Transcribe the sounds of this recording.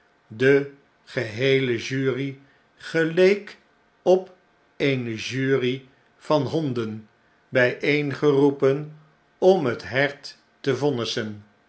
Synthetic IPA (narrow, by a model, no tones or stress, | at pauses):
də | χəɦejləʒyːri | χəlejk | ɔp | ejnəʒyːri | v̥ɑnɦɔndən | bɛjʔejnχərupən | ɔmɦətɦɛɹtː | əvɔnəsən